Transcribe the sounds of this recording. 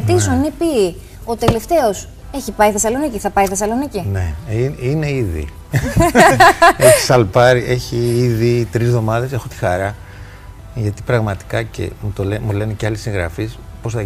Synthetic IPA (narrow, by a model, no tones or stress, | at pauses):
t̪isonnipi | ot̪e̞le̞ft̪e̞o̞s | e̞çipɐiθe̞sɐlo̞niciθɐpɐiθe̞sɐlo̞nicineiine̞iðḭ | eçisɐlpɐɾiʔe̞çiiðit̪ɾizðo̞mɐðe̞se̞xot̪i̥xɐɾɐ | ʝɐt̪i̥pɾɐɣmɐt̪i̥kɐce̞̰mut̪olemule̞neceɐlisiŋɣɾɐ̰fispo̞sθɐ